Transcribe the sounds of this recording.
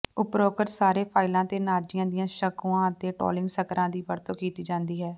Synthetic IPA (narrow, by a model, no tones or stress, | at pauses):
ʊpɾoːkəɾsaːɾeːpʰaːɪlãːt̪eːnaːd͡ʒɪjãːd̪ɪjãːʃəkuːãːət̪eːʈɔ̰ːlɪ̃ŋɡsəkɾãːd̪iːʋəɾt̪oːkiːt̪iːd͡ʒãːnd̪iːɦɛː